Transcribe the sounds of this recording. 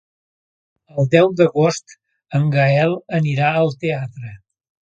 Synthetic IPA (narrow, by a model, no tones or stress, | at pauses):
əlˠd̪ɛwd̪əɣost̪ | əŋɡaɛlˠəniɾaəlˠt̪eat̪ɾə